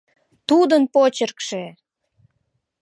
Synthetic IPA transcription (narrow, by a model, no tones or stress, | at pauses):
t̪ud̪ənpot͡ɕərkʃe